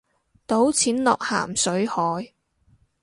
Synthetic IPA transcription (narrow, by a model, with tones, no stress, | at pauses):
t̪o˨˥wt͡sʰiː˨˥nlɔː˨k̚ha̰ː˨˩msɵ˨˥ɥhɔː˨˥j